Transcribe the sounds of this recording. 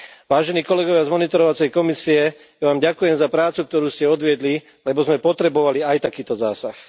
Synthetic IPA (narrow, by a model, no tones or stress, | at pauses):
ʋaːʒɛniːkɔlɛɡɔʋɪazmɔnit̪ɔɾɔʋat͡sɛjkɔmisiɛ | jaʋaːmɟakujɛmzapɾaːt͡suk̚t̪ɔɾuːscɛɔd̪ʋɪɛd̪li | lɛbɔzmɛpɔt̪ɾɛbɔʋaliajt̪akiːt̪ɔzaːsax